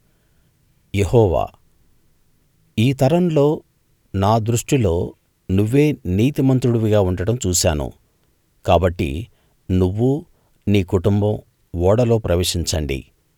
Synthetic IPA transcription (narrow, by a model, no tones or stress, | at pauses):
jehɔːʋa̰ː | iːt̪ɐɾɐmlo̞ː | naːd̪ɾuʂʈilo̞ː | nuʋːe̞ːniːt̪imɐnt̪ɾuɽuʋiɡaːuɳɖɐɽɐmt͡ʃuːsaːnṵ | kaːbɐʈːḭ | nuʋːu | niːkuʈumbɐm | ʋɔːɽɐlo̞ːpɾɐʋeːʂiɲt͡ʃɐɳɖḭ